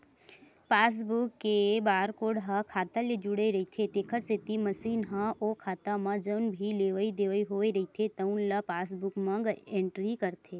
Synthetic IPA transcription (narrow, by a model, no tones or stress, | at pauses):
paːs̬bukːebaːɾkoːɽɦakʰaːt̪aled͡ʒuɽeɾɐit̪ʰet̪eːkʰəɾset̪iməsiːnɦãʔoːkʰaːt̪amãd͡ʒəːnbʱileːʋəid̪eːʋəiɦoːeɾɐɦit̪ʰet̪əʊnlapaːs̬bukmɐ̃ɡẽːɳʈɾikəɾt̪ʰeː